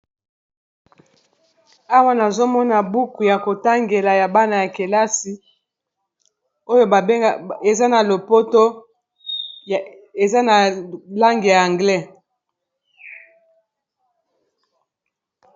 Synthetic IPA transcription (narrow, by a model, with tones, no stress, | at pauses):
a˦wa˦na˨zo˦mɔ˦na˨bu˦ku˨ja˨ko˨ta˦ŋɡe˨la˨ja˨ba˦na˨ja˨ke˨la˦si˨ | o˦jo˦˨˦e˨za˦na˨lo˨po˦to˦˨ | e˨za˦na˨la˦ŋɡe˨ja˨a˨ŋɡlɛ˦